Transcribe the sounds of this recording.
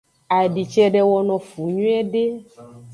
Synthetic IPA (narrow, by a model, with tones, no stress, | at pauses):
a˨ɖi˨t͡ʃɛ˦ɖɛ˦wɔ˦nɔ̃˨fu˨ɲũ˦ɛ˦ɖe˦